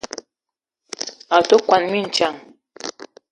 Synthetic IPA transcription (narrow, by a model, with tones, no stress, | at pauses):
a˨to˦kwa˨nmi˦n̩˨t͡ʃa˨ŋ